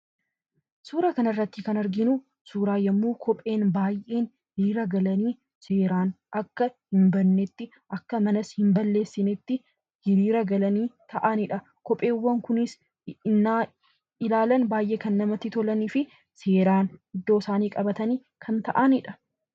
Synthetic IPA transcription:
suːɾaːkɐnɐrːɐt̪ːɪkɐnɐɾɡɪnʊ | suːɾaːjɐmːuːkʰɔpʼe̞ːnbaːjʔe̞ːn | diːɾɐɡɐlɐniː | se̞ːɾaːn | ʔɐkːɐhɪmbɐnːet̪ːɪ | ʔɐkːɐmɐnɐshɪmbɐlːe̞ːsːɪnɛt̪ːɪ | hɪɾiːɾɐɡɐlɐniːt̪ʰɐʔɐnɪᶑɐ | kɔpʼe̞ːwːɐŋkʊnɪs | ɪnːaː | ɪlaːlɐnbaːjʔeːkɐnːɐmɐt̪ːɪt̪ɔlɐniːfɪ | se̞ːɾaːnhɪd̪ːo̞ːsaːniːkʼɐbɐt̪ɐniː | kʰɐnt̪ɐʔɐnɪᶑɐ

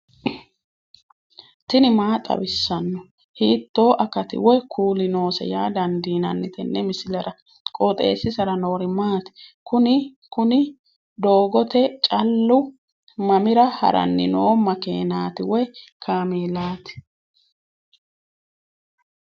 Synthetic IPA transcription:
t̪ɪnɪmaːt̪ʼɐ̰bɪsːɐnːɔ | hiːt̪ːo̞ːʔɐkɐt̪ɪ̰wɔjkʰuːlɪno̞ːsɛ̰jaːd̪ɐnd̪iːnɐ̰nːɪt̪ɛnːɛmɪsɪlɐɾɐ | kʼot̪ʼe̞̰ːsːɪsɐɾɐno̞ːɾɪmaːt̪kʊnɪ | kʊnɪ | d̪o̞ːɡɔt̪ɛt͡ʃʼɐlːʊ | mɐmɪɾɐhɐ̰ɾɐ̰nːɪ̰noːmɐkḛːnaːt̪ɪwɔjkʰaːmeːlaːt̪ɪ̥

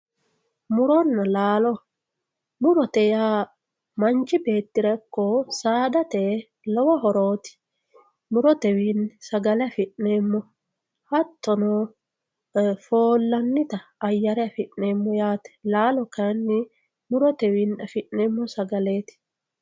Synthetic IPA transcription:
mʊɾɔnːɐlaːlɔ | mʊɾɔt̪ɛjaː | mɐnt͡ʃːɪbe̞ːt̪ːɪɾɐkːɔsaːd̪ɐt̪e | lɔwɔɦɔɾoːt̪ɪ̥ | mʊɾɔt̪ɛwiːnsɐɡɐlɛɐfɪʔne̞ːmːɔ | hɐt̪ːɔno | foːlːɐnːɪt̪ɐɐjːɐɾɛɐfɪʔneːmːɔjaːt̪ɛ̥laːlɔkɐnːɪ | mʊɾɔt̪ɛwiːnɐfɪʔneːmːɔsɐɡɐleːt̪ɪ̥

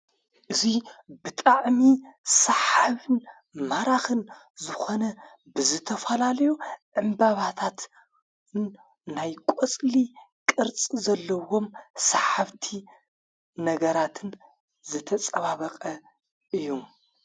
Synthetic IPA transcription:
ʔɨzibɨt̪ʼaʕmisɐħaβɨn | maɾaxɨn | zɨxo̞nɐ | bɨzɨt̪ʰɐfɐlalɐjuʕɨmbaβat̪ʰat̪ | n | najkʷʼot͡sʼlikʼɨɾt͡sʼizɐlːɐwo̞msaħaβt̪ʰi | nɐɡɐɾat̪ʰɨn | zɨt̪ʰɐt͡sʼɐβaβɐqʼɐ | ʔɨjːum

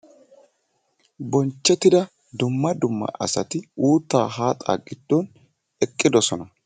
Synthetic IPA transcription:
bɔnt͡ʃːɛt̪ːɪd̪ɐ | d̪ʊmːɐd̪ʊmːɐ̰ʔɐ̰sɐt̪ɪuːt̪ːaːɦaːt̪ʼa̰ːɡɪd̪̥ːɔn | ɛkʼːɪd̪ɔsɔnɐ

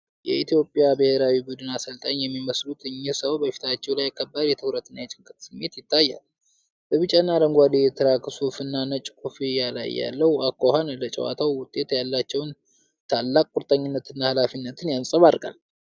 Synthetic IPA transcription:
jɛ̰it̪ʰjo̞pʼjabɨheɾawibud̪ɨnasəlt̪ʼaɲjɛmːiməslut̪ʰɨɲːɪsəwbəfi̥t̪ʰat͡ʃːɛwlajakʰːəbːaɾjɛt̪ʰɨwɾət̪ɨnat͡ʃʼɪŋkʼɨt̪ʼsɨmːe̞t̪jɪt̪ʰːajːa̰l | bəβɨt͡ʃʼanːaləŋɡʷad̪ejɛt̪ʰɨɾakɨsufɨnːanət͡ʃʼkʰʼufijala̰jːa̰lːəwakːohanlət͡ʃʼɛ̰wa̰t̪ʰawwʊt̪ʼːe̞t̪jalːat͡ʃːɛwn | t̪ʰalːakʼkːʼʊɾt̪ʼəɲːɪnːət̪ʰɨnːahalafinːət̪ʰɨnjansʼəβaɾɡʼa̰l

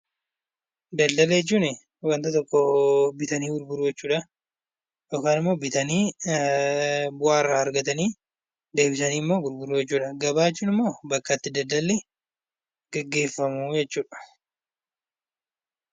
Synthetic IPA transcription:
d̪ɐld̪ɐlejt͡ʃːuːnɪ | wɐnt̪ɐt̪ɔkːɔbɪt̪ɐniːɡʊɾbʊɾuːd͡ʒɛt͡ʃːuːᶑɐ | joːkaːnɪmːo̞ːbɪt̪ɐniː | bʊaːɪrːaːɐɾɡɐt̪ɐniː | d̪e̞ːbɪsɐniːɪmːo̞ːɡʊɾbʊɾuːjɛt͡ʃːuːᶑɐɡɐbaːt͡ʃːuːnɪmːoːbɐkːɐt̪ːɪd̪ɐld̪ɐlːɛ | ɡ̥ɐɡːe̞ːfːɐmud͡ʒɛt͡ʃːuːᶑɐ̥

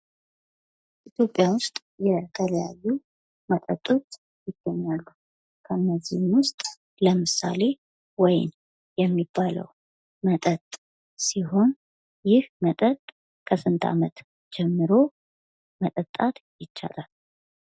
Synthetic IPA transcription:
ʔit̪ʰjo̞pʼːjawʊst̪ʼ | jɛt̪ʰələja̰jːu | mət̪ʼə̰t̪ʼo̞t͡ʃː | jɪɡ̥ːəɲːalːu | kʰəɨnːəzːihmwʊst̪ʼ | ləmɨsa̰le̞ | wɔjn | jɛmːibːalə̰w | mət̪ʼət̪ʼ | siho̞n | jɪhmət̪ʼət̪ʼ | kʰəsɨnt̪ʰa̰mət̪ | d͡ʒɛmːɨɾo̞ | mət̪ʼət̪ʼːat̪jɪt͡ʃːa̰lal

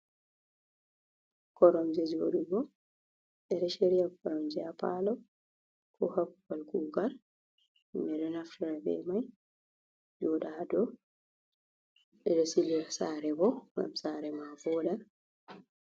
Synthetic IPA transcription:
kɔɾɔmd͡ʒɛd͡ʒoɗubɔ | ɛɾɛʃeɾijakɔɾɔmd͡ʒɛapa̰lɔ | kʰɔhabubalkuɡal | mɛɾɛnaftʰiɾabɛ̰maj | d͡ʒɔɗadɔ | ɗɛɗɛsiliasaɾɛbɔŋɡa̰msaːɾɛmavɔda

